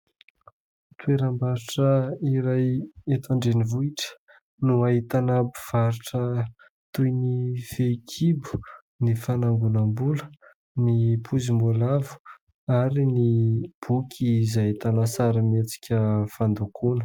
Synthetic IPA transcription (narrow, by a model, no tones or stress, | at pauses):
t̪weɾambaɾiʈ͡ʂəiɾajet̪aɳɖ͡ʐenivuiʈ͡ʂə̥ | nuaɦit̪anabuv̥aɾiʈ͡ʂə | t̪ujnifekʰibu̥ | nifanaŋɡunambulə | nipʰuzimolavu̥ | aɾinib̥ukʲʰizajt̪anasaɾimet͡si̥kʲəfand̪ukʰunə̥